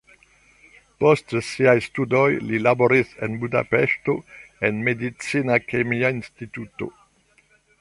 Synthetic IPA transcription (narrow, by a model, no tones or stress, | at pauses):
po̞stsiajstudo̞jlilaboɾisḛnbuda̰peʃto̞enme̞dit͡sinakemiainstituto̞̰